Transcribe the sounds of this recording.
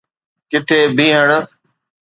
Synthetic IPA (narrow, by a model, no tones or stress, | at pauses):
kɪt̪ʰeːbʱĩːɦəɽ